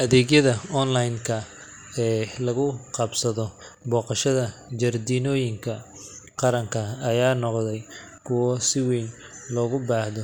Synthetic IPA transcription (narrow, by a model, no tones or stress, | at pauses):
ʔɐðɛːɡjɐðɐɔnlajŋkʰɐ | ɛːlɐɣʊqɑbsɐðɔbɔːqɑʃɐðɐd͡ʒɐrd̪iːnɔːjɪŋkʰɐ | qɑɾɐŋkʰɐɐjaːnɔqðɛj | kʰʊwɔsɪwɛjn | lɔːɣʊbaːhðɔ